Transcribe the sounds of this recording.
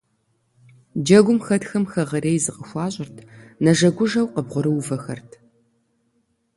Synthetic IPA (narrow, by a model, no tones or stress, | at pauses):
d͡ʒɐɡʷʊmxɐtxɐmxɐʁɐɾeːjzɨqʼəxʷɑːɕʼɪrtʰnɐʒɐɡʷʊʒɐwqəbʁʷʊɾɨwvɐxɐ̰rtʰ